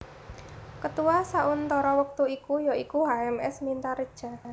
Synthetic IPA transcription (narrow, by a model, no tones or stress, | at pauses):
kət̪uwasaʔʊnt̪ɔɾɔwək̚t̪uikujoikuɦaɛmɛ̰smint̪aɾəd̥ʒ̥a̤